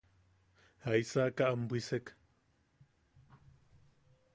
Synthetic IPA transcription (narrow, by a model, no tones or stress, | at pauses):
haisakaʔambʷisek